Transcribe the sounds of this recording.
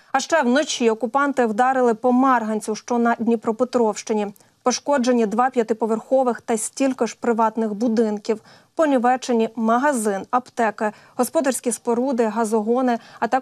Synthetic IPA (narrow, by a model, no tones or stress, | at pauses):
ɐʃt͡ʃɛwnɔt͡ʃiɔkʊpɑnt̪ɪwd̪ɑɾɪlˠɪpɔmɛrɦɐnʲt͡sʲiwʃt͡ʃɔnɐdʲnʲipɾɔpet̪ɾɔwʃt͡ʃɪnʲi | pɔʃkɔd͡ʒenʲːid̪ʋɑpʲjɐt̪ɪpɔʋerxɔʋɪxt̪ɐsʲtʲilʲkɔʒpɾɪʋɑt̪nɪɣbʊd̪ɪnkʲiw | pɔnʲiʋɛt͡ʃenʲimɐɦɐzɪnɐpt̪ɛkɪ | ɦɔspɔd̪ɐrsʲkʲispɔɾud̪ɪɦɐzɔɦɔnɪɐt̪ɑ